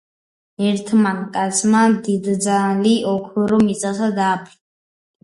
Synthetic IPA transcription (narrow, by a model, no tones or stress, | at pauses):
ɛɾt̪ʰmankʼat̪sʰmad̪id̪d̪zaliʔɔkʰɔɾɔmit̪sʼasad̪aːpʰi